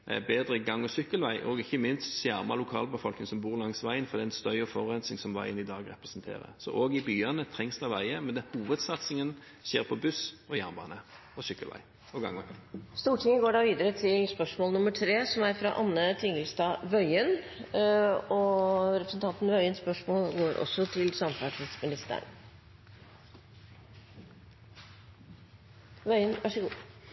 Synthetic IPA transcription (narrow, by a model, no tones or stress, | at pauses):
ɛbeːd̪ɾəɡɑŋːɔsʏkːəlʋæɪʔɔɡɪçːəmɪnst̪ʃjæʁmɑlʊkʰɑːlbəfɔlknɪŋsɔmbuːɾlɑŋsʋæɪənfɔd̪ɛæɪnst̪œʏɔfɔʁɛnsɪŋsɔmʋæɪənɪd̪ɑːɡɾɛpɾɛsnt̪ʰḛːʁə̰sɔ̰ʔoːɡɪbyːɑnət̪ʰɾɛŋsd̪ɑʋæɪəmɛnd̪ɛhuːʋəd̪sɑt̪sɪŋən | ɕeːɾpʰɔbʉsɔjæʁnbɑ̰ːnə | ɔsʏkːəlʋæ̰ɪ | ɔɡɑ̰ŋɔst̪uːʈʰɪŋːəɡoːɖɑːʋiːd̪əɾət̪ʰɪlspœʂmoːlnʊməʈʰɾeːsɔmæɾfɾɑʔɑnːət̪ʰɪŋːəlst̪ɑːʋœʏən | ɔɾɛpɾəsn̩t̪ʰɑnt̪n̩ʋœʏənspœʂmoːlɡoːɾʔɔ̰sːɔt̪ʰɪlsɑmfɑʈʰɪd̪smɪnɪst̪ə̰ɳ | ʋœʏənʋʔɑʂəɡuː